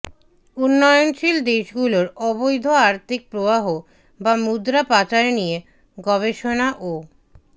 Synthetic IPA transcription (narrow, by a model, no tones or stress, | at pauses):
unːɔjonʃild̪eʃɡuloɾɔbojd̪ʱoaɾt̪ʰik̚pɾobaɦo | bamud̪ɾapat͡ɕaenije | ɡɔβeʃonaʔo